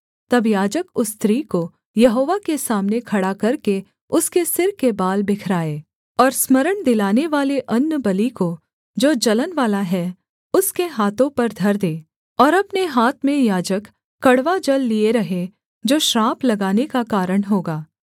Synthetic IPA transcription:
t̪ɐbjaːd͡ʒəkʊst̪ɾiːko | jɐɦoːʋakesaːmnekʰɐɽakɐɾke | ʊskesɪɾkebaːlbɪkʰɾaːeː | ɔːɾsməɾəɽ̃d̪ɪlaːneʋaːleʔɐnːəbɐliko | d͡ʒoːd͡ʒɐlənʋaːlaɦɛ | ʊskeɦaːt̪õpɐɾd̪ʱɐɾd̪eː | ɔːɾɐpneɦaːt̪ʰmẽjaːd͡ʒəkː | ɐɽʋad͡ʒɐlːieɾɐɦe | d͡ʒoːʃɾaːplɐɡaːnekakaːɾəɽ̃ɦoːɡaː

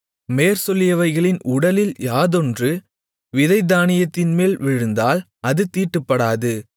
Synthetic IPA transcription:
meːɾsɔlːɪjɐʋɐɪɣɐɭɪnʔʊɽɐlɪljaːðɔndrɯ | ʋɪðɐɪd̪aːnɪjɐt̪ːɪnmeːlʋɪɻɯnd̪aːl | ɐðɯt̪iːʈːɯpːɐɽaːðɯ

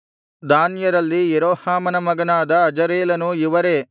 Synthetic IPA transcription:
d̪aːnjɐɾɐlːijeɾoːhaːmɐnɐmɐɡɐnaːd̪ɐːd͡ʒɐɾeːlɐnuiʋɐɾe̞ː

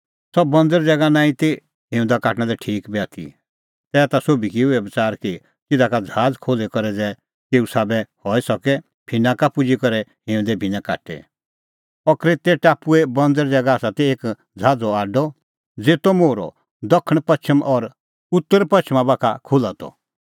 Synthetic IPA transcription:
sɔbbɐ̃nd̪əɾd͡zɛɡanãːĩt̪e | ɦɪ̃ʊ̃nd̪akaːʈɽ̃ãlɛʈʰiːkbɛːt̪ʰḭ | t̪ɛːt̪asoːbikiʋɛbt͡saːɾki | k̪ɪd̪akad͡zʱaːd͡zkʰoːlekɔɾɛd͡zɛ | t̪eːusaːbɛhɔisɔkɛ | bʰʱɪnãkapʊd͡ʒikɔɾɛɦẽːʊ̃d̪ɛbʱinaka̰ːʈɛ̰ | ɔkɾet̪ɛʈaːpuɛbɐ̃nd̪əɾd͡zɛɡaːsat̪eeːk | d͡zʱaːd͡zɔaːɖɔ | d͡zeːt̪omoːɾɔ̰ | d̪ɔkʰːəɽ̃pɐt͡ʃʰəmʔɔɾ | ʊt̪ːəɾpɐt͡ʃʰmãbaːkʰa̰kʰʊlat̪ɔ̰

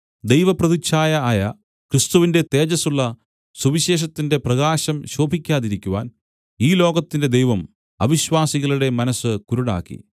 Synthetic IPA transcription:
d̪e̞jʋɐprɐðit͡ɕaːjɐaːjɐ | krist̪uʋinde̞t̪e̞ːd͡ʑɐsuɭːɐ | suʋiɕe̞ːɕ̬ɐt̪ːinde̞prɐɣaːɕɐmɕoːbʱikʲːaːðiɾikʲːuʋa̰ːn | iːlo̞ːɡɐt̪ːinde̞d̪ejʋɐm | ɐ̰ʋiɕʋaːsiɣɐɭuɽe̞mɐnɐsɨkuɾuɽa̰ːkːḭ

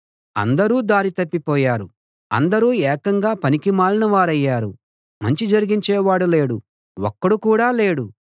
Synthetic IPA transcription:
ɐ̰nd̪ɐɾuːd̪aːɾit̪ɐpːipɔːjaːɾu | ɐ̰nd̪ɐɾuːɛːkɐŋɡaːpɐnikimaːlinɐʋaːɾɐjːaːɾu | mɐɲt͡ʃid͡ʒɐɾiɡiɲt͡ʃɛːʋaːɽule̞ːɽu | wɔkːɐɽukuːɽaːleːɽu

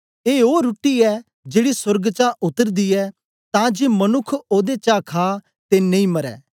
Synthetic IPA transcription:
eːoːɾuʈːiɛː | d͡ʒeːɽisʊɾɡt͡ʃaːʔʊt̪əɾd̪iːɛː | t̪ãːd͡ʒeːmənʊkʰoːd̪et͡ʃaːkʰaː | t̪enɐĩːmɐɾɛ̰ː

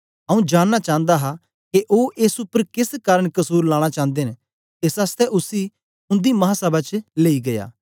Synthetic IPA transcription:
ɐũd͡ʒaːnːat͡ʃãːə̃nd̪aɦa | keʔoːʔesʊpəɾkɪskaːɾəɽ̃kɐsuːɾlãːɽ̃at͡ʃãːnd̪eːn | esast̪ɛʔʊsi | ʊ̃nd̪imɐɦasɐbat͡ʃleːiɡɐja̰ː

